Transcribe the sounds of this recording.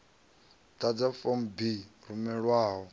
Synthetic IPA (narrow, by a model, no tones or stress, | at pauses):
tad͡zafɔmbiɾumɛɺwaːɦɔ